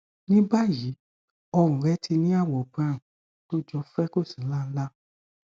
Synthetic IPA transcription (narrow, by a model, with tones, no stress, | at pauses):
nĩ˦ba˦ji˨˦ | ɔ˧ɾ̃ũ˨ɾɛ˦ti˧nĩ˦a˦˨wɔ˨b̃a˨ɾũ˨ | to˦d͡ʒɔ˧˦fɛ˦ko˦˨sĩ˨˦la˦˧˦la˦